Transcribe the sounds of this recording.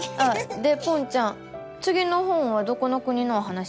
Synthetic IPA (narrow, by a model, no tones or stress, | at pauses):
ad̪e̞põɲt͡ɕãŋ | t͡sɨɡʲino̞ɦõ̞ɰ̃βad̪o̞ko̞nokɯ̟ɲ̟inoːɦanaɕ